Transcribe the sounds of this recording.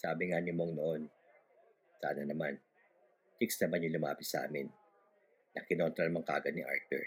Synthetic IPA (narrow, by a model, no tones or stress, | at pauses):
saːbɪŋanɪmoŋnoʔo̞n | sa̰ːnɐnɐman | t͡ʃ̪ɪksnɐmanjʊŋlʊmaːpɪt̪sɐʔa̰ːmɪnː | ɐkɪno̞nt̪ɾɐnɐmɐŋka̰ːɡɐnɪʔa̰ɹt̪ɛ̰ɹ